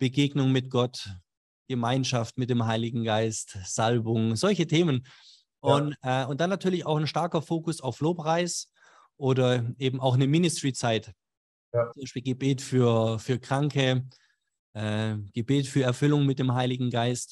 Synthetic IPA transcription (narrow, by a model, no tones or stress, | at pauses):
b̥əɡeːɡnʊŋmɪt̚ɡ̥ɔt | ɡ̥əmaɪnʃaftmɪt̚d̥eːmɦaɪlɪɡŋ̩ɡaɪstz̥albʊŋzɔlçətʰeːmən | ʔʊnɛːʊnt̚d̥anːatʰyːɐlɪçaʊxnʃtaɐkɐfoːkʊsaʊfloːpʁ̥aɪs | ʔoːdɐʔeːbm̩ʔaʊxnəmɪnɪstʁ̥it͡saɪt | t͡sʊmbaɪʃpiːlɡəbeːtfyːɐfyːɐkʁ̥aŋkə | ʔɛːɡ̥əbeːtfyːɐɛɐfʏlʊŋmɪt̚d̥eːmɦaɪlɪɡŋ̩ɡaɪst